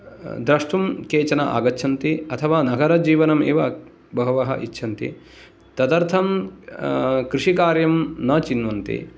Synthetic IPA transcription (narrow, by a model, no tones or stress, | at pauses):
d̪ɾɐʂʈumkeːt͡ʃɐnɐʔa̰ːɡɐtːʃʰɐnt̪iɐt̪ʰɐʋaːnɐɡɐɾɐd͡ʒiːʋɐnɐmḛːʋɐ | bɐɦɐʋɐɦɐ̰ʔitːʃʰɐnt̪ḭ | t̪ɐd̪ɐɾt̪ʰɐm | kɾiʂikaːɾjɐmnɐt͡ʃinʋɐnt̪ḭ